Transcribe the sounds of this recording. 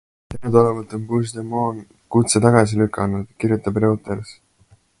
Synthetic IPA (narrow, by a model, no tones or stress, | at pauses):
t̪enud̪olevɑlt̪ːˑo̞npuːs̬d̪emoːn | kut̪set̪ɑɡ̥ɑs̬ilykʰːˑɑnud̪̥kiɾjut̪ːˑɑbreot̪ˑeɾs